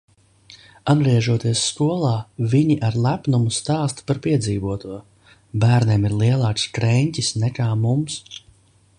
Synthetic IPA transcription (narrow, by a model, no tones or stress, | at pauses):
anviɛʒuɔt̪iɛsːkuɔlˠɑːviɲiʔaɾlˠæpnumust̪aːst̪paɾpiɛd̪ziːvuɔt̪uɔ | bæːɾnʲeːmiɾlˠiɛlˠɑːkskɾɛɲcʲisnɛkaːmums